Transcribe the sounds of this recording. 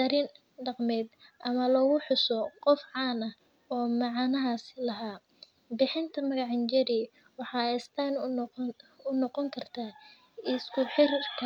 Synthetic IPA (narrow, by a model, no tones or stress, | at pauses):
d̪ɐɾɪn | ɖɑqmɛːd̪ʔɐmɐlɔɣʊħʊsɔqɔfʕɑːnɐh | ɔːmɑʕɑnɐɦaːslɐɦaː | bɪħɪnt̪ʰɐmɐɣɑʕɪnt͡ʃɐɾi | wɑħɑːst̪ʰaːn | ʊnɔqɔŋkʰɐrt̪ʰaː | ɪskʰʊħɪrkʰɐ